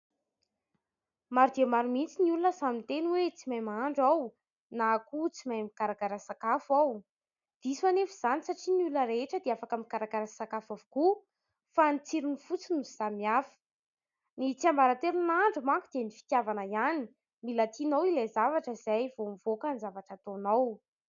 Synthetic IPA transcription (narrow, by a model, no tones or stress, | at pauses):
maɾud̪eamaɾumint͡siniulunəsamint̪enwet͡simajmaɳɖ͡ʐaw | nakut͡simajmikaɾakaɾasakafaw | d̪̥iswanefiz̥anisaʈ͡ʂinulunəɾeʈ͡ʂəd̪eafakəmikaɾakaɾasakafavuku | fanit͡siɾinifut͡sinuiz̥amiafə̥ | nit͡siambaɾat̪eɾunaɳɖ͡ʐumaŋkud̪enifi̥k̪javanajani | milat̪inowilezavaʈ͡ʂəzajvomivokanizavaʈ͡ʂat̪onaw